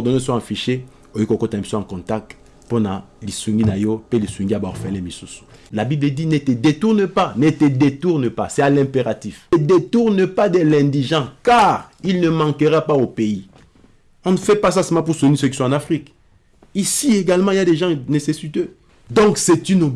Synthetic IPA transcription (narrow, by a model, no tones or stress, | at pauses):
ɔʁd̪ɔnɛs̬wɔ̃ɑ̃fiʃe | ojikokɔt̪ɛ̃ɛ̃psɔ̃ɑ̃kɔ̃t̪ak̚t̪ | pɔnãlisũŋɡinajopelisũŋɡiabɔfɛlɛ̃misusu̥ | labibləd̪inet̪əd̪et̪uʁnəpanet̪əd̪et̪uʁnəpasɛalɛ̃peʁat̪ifəd̪et̪uʁnəpad̪ɛlɛ̃d̪iʒɑ̃kaʁilnəmɑ̃kəʁapaopei | ɔ̃nəfɛpas̬asɛmɑ̃p̬uʁsenis̬ək̬i̥sw̃ãɑ̃nafχik | isieɡalmɑ̃iljad̪eʒɑ̃nesesit̪ø | d̪ɔ̃ksɛt̪yno